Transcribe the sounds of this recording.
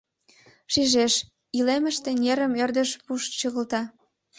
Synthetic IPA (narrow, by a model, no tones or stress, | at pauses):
ʃiʒeʃ | ilemə̆ʃt̪ĕnʲeɾə̆mørd̪ə̆ʃpuʃt͡ɕəɣə̆lt̪ɑ